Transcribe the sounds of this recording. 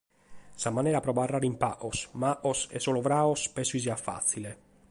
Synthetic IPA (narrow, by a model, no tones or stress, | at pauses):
samːanɛːɾapɾɔbarːaːɾimpaʔosmaʔosɛ̰soːlovɾaːospɛsːuiziafːa̰t̪sːile